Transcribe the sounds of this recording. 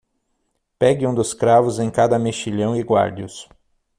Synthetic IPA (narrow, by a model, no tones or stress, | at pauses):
pɛɡɪũd̪ʊskɾavʊzẽj̃kad̪ɐmeʃiʎɐ̃w̃ɪɡwa̰ɾdiʊs